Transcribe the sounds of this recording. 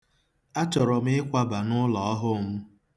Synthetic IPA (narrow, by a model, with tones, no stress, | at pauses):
a˦t͡ʃɔ˨ɾɔ˨m̩ɪ˦ɪ˦kʷa˦ba˨nʊ˦lɔ˨ɔ˦ɦʊ˦˨m̩˦